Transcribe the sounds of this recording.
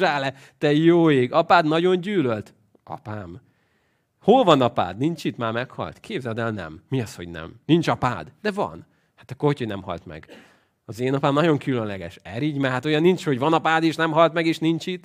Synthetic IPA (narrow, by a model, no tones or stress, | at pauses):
aːlɛ | t̪ɛjoːeːɡɒpaːd̪nɒɟo̞nɟyːlølt̪ | ɒ̰paːm | holvɒnɒpa̰ːd̪nint͡ʃit̪maːmɛkhɒ̰lt̪kʰeːbzɛd̪ɛlnɛ̰mːiɒsho̞ɟnɛ̰mnint͡ʃɒpa̰ːd̪d̪̥ɛvɒ̰n | hḁt̪ɒkːohoconɛmhɒ̰lt̪mɛ̰ɡ̥ | ɒzeːnɒpaːmnɒɟo̞ŋkylønlɛɡɛʃɛɾiːɟmaːhat̪ojɒnːint͡ʃho̞ɟvɒnɒpaːd̪eːʃnɛmɦɒlt̪mɛɡeːʃnint͡ʃit̪